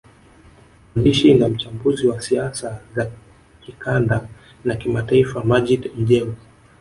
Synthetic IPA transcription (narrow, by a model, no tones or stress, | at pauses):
aniʃinam̩t͡ʃambuziwasiasaza | kikʰanda | nakimataifamaʄitm̩ʄɛm